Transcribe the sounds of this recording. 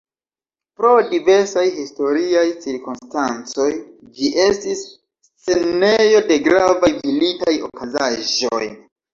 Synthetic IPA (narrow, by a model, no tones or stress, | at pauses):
pɾo̞dive̞ɾsajhisto̞ɾiajt͡siɾkunstant͡so̞j | d͡ʒiʔe̞stisː | e̞nejo̞de̞ɡɾavajvilitajo̞kʰazaʒo̞̰j